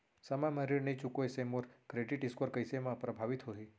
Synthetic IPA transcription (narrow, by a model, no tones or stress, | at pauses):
səmãməɾiɽnit͡ʃukoesemoɾkɾeɖiʈɪskəɾkəjsemãpɾəbʱaʋit̪ɦoɦi